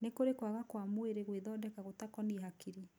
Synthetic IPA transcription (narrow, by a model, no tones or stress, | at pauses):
nekoɾekwaɣakwamoeɾeɣweðɔdɛkaɣotakɔniɦakiɾi